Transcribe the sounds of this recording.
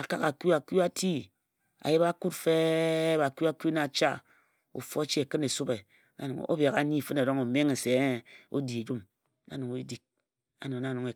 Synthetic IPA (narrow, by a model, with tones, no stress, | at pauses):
a˨ka˦ka˨ku˦a˨ku˦a˦ti˦ | a̰˨ji˦ba˦ku˦tfe˦ba˨ku˦a˦ku˦na˨t͡ʃa̰˦ | o̰˨fo˦t͡ʃi˦e˨kɨ˦ne˨su˦be˨ | na˦nu˨ŋ˨o̰˦bja˨ka˨˦ni˦˨fɨ˦na˨do˦ŋo˨me˦ŋe˨se˨o̰˦di˨e˨d͡ʒu˦m | na̰˦nu˨ŋo˨i˦di˨k̚ | a̰˨no˨na˦˨nu˨ŋe˨